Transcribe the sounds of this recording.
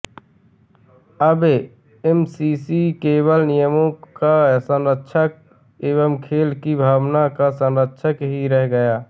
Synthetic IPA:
əb | ɛmsiːsikeːwəlnɪjəmõkasə̃nɾətːʃʰək̚ | eːʋəmkʰeːlkibʱaːwnakasə̃nɾətːʃʰəkɦiɾɛɦɡəjaː

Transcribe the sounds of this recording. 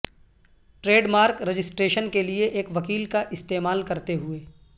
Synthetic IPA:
ʈɾeːɖmaːɾkɾɐd͡ʒɪsʈɾeːʃənkelieʔeːkʋɐkiːlkaʔɪst̪eːmaːlkɐɾt̪eɦʊeː

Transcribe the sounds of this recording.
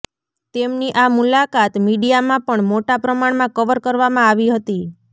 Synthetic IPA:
t̪emniʔamulakat̪miɖijamãpəɳmoʈapɾəmaɳmãkəʋəɾkəɾʋamãaʋiɦət̪i

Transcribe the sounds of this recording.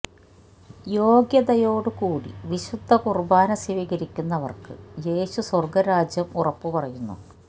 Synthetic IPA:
jo̞ːɡjɐðɐjo̞ːɽɨkuːɽḭʋiɕud̪ʱːɐkurubaːnɐsiʋiːɡɐɾikʲːunːɐʋɐ̰rkɨd͡ʑe̞ːɕuswɐrɡɐɾaːd͡ʑjɐmurɐpːɨpɐrɐjunːṵ

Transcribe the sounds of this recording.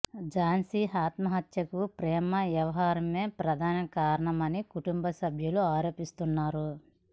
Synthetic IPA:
d͡ʒaːnsiɦaːt̪mɐɦɐt̪jɐkupɾɛːmɐʋjɐʋɐɦaːɾɐme̞ːpɾɐd̪ʱaːnɐkaːɾɐɳɐmɐnikuʈumbɐsɐbʱjuluaːɾo̞ːpist̪unːaːɾu

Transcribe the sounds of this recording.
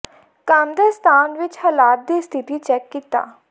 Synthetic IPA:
kaːmd̪əst̪ʰaːnʋɪt͡ʃhəlaːt̪̚d̪iːst̪ʰɪt̪iːt͡ʃɛːkːiːt̪a̰ː

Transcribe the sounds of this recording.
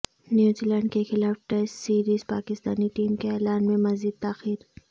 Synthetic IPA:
njuːziːlɛ̃ːɳɖkexɪlaːfʈɛssiːɾiːzpaːkɪst̪aːniʈiːmkeɛːlaːnmẽmɐziːd̪̚t̪aːxiːɾ

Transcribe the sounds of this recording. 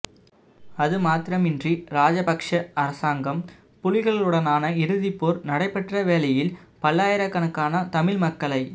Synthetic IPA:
ɐðɯmaːt̪ɪɾɐmɪndriɾaːd͡ʒɐpɐkʂɐɐɾɐsaːŋɡɐm | pʊlɪɣɐɭɯɽɐnaːnɐɪɾɯðɪpːoːɾnɐɽɐɪpːɛʈrɐʋeːlɐjɪlpɐlːaːjɪɾɐkːɐnɐkːaːnɐt̪ɐmɪlmɐkːɐɭɐɪ

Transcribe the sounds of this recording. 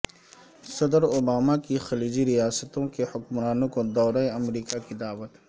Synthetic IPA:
sɐd̪əɾoːbaːmakixɐliːd͡ʒiɾijaːsət̪õkehʊkmɾaːnõkod̪ɔːɾaeɐmɾiːkakid̪aːwət̪

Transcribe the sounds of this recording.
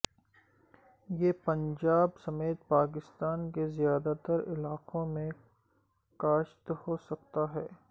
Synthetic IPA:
jepɐ̃nd͡ʒaːbsɐmeːt̪̚paːk̬ɪst̪aːnkezjaːd̪at̪əɾɪlaːqõmẽ | kaːʃt̪hosɐk̚t̪aɦɛː

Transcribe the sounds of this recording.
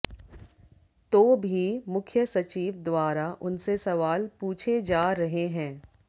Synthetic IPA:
t̪oːbʱimʊkʰjəsɐt͡ʃiːʋd̪waːɾaʔʊnsesɐʋaːlpuːt͡ʃʰed͡ʒaːɾɐɦeɦɛ̃ː

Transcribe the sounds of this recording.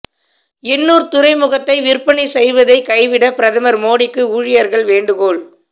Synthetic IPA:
ɪnːuːɾt̪ʊɾɐɪmʊɣɐt̪ːɐɪʋɪɾpɐɳisɛjʋɐðɐɪkɐɪʋɪɽɐpɪɾɐðɐmɐɾmoːɽɪkːɯuːɻɪjɐɾɣɐɭʋeːɳɖɯɣoːɭ

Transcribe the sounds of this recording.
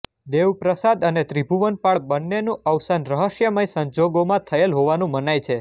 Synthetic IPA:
d̪eʋpɾəsad̪ənet̪ɾibʱuʋənpaɭbənːenũʔəʋsanɾəɦəʃjəməjsəɲd͡ʒoɡomãt̪ʰəjelɦoʋanũmənajt͡ʃʰe

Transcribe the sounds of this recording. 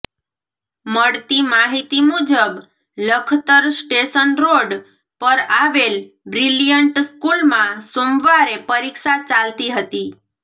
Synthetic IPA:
məɽt̪imaɦit̪imud͡ʒəb | ləkʰt̪əɾsʈeʃənɾoɖ | pəɾaʋel | bɾilijəɳʈskulmãsõmʋaɾepəɾikʃat͡ʃalt̪iɦət̪i

